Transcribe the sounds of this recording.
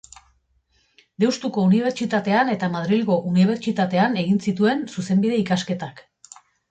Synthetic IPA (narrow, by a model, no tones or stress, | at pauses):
d̪e̞wst̪uko̞uniβ̞e̞ɾt͡ʃit̪at̪e̞ane̞t̪amað̞ɾilɣo̞ʔuniβ̞e̞ɾt͡ʃit̪at̪e̞ane̞ɣinsit̪ue̞nsuse̞mbiðe̞ikaske̞t̪ak